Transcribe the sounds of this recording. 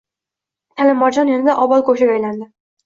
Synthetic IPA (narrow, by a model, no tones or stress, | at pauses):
t̪ʰalɪmːɒd͡ʒɒnjʊnɪd̪aʔɒbɒlˠkʰɵʃaɡajland̪ɪ